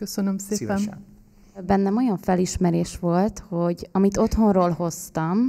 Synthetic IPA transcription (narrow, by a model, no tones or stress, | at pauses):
køsønømseːɛn | bɛnːɛmo̞jɒɱfɛliʃmɛɾeːʃʋo̞lt̪ho̞ɟɒmit̪o̞t̪ho̞nroːlho̞st̪ɒm